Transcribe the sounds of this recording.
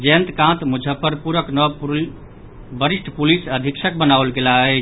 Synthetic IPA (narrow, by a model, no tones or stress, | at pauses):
d͡ʒẽnt̪kãt̪mud͡ʒʱəpəɾpuɾəknə | bəɾisʈʰpulisəd̪ʱiksʰək̚bənawlɡelaɛ